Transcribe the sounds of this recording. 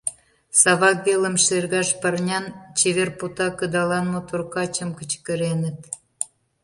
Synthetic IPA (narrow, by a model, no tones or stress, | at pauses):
sɑβɑkvelə̆mʃerɣɑʃpɑrnʲɑnt͡ɕeβerput̪ɑkəd̪ɑlɑnmot̪urkɑt͡ɕə̆mkə̆t͡ɕkə̆ɾenə̆t̪